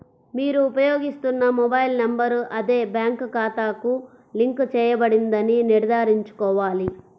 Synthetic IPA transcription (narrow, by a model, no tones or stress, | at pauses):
miːɾuːpɐjoːɡist̪unːɐmɔbɐjlnɐmbɐɾɐd̪eːbjaːŋkkaːt̪aːku | liŋkt͡ʃɛːjɐbɐɽind̪ɐniniɾɐd̪ʱaːɾiɲt͡ʃu̥kɔːʋaːli